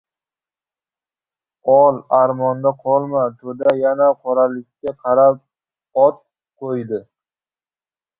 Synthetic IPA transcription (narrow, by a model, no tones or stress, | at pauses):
ɒlˠaɾmɒnd̪aqʰɒlˠmat̪ʰɵd̪ajanaqʰoɾalɪkʲkʲːaqʰɑɾap̚ | ɒt̪ | qʰojd̪ɪ